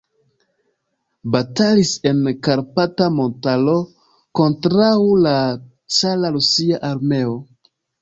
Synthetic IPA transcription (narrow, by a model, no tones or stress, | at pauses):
batalise̞nkaɾpatamo̞ntalo̞ | ko̞ntɾawla | t͡salaɾusiaʔaɾme̞o